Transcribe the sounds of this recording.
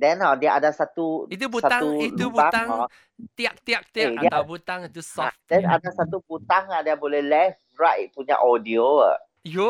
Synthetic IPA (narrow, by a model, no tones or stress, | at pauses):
dɛnadiaʔadasat̪uit̪̬ubutsaãuit̪ubuat̪ãŋɔ | t̪iak̚t̪iak̚t̪iadaiat̪awbut̪ãŋit̪usɔafdɛ̃nadasat̪ubut̪aŋadiabolɛhlɛf | ɹaʔt̚puɲa̰ʔɔdioa̰ | jo